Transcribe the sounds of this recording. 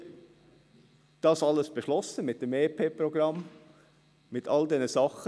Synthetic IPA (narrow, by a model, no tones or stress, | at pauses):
d̥ɑːsɑlːəsb̥eʃlɔsəmɪt̚d̥emeːpʰeːpɾɔɡɾɑm | mɪtʰɑldɛnəsɑχə